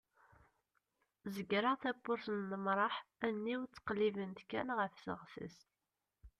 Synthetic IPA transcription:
zəɡɾˤɑθæbʊɾsənːəmɾˤɑħænːiwt͡sːə̥qlːivənt̪kːænʁəfsə̰ʁsə̰s

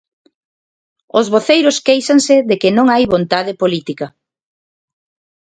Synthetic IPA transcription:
ozβoθejɾʊskejsaŋsɪðekɪnõŋajβont̪aðɪpolit̪ikɐ

